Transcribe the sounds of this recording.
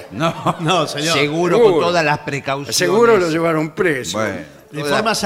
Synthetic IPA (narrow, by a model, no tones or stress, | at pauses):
nonoseɲsoeɣuɾoot̪oðalaspɾekawsseɣuɾoloʒeβaɾompɾesbwḛ | d̪efoɾmas